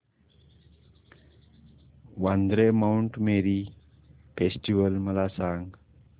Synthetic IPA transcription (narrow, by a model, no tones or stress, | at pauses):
wand̪ɾemawɳʈmeɾi | pesʈiwəlməlasaŋɡ